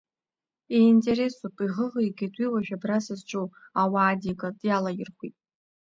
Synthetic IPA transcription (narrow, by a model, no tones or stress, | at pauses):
eintʼe̞ɾe̞supʼiʁəʁɨjɡʲatʼwiwaʒᶣabrasɨzt͡ʃʷʼowawaːdikʼadʼjalajɪrχʷitʼ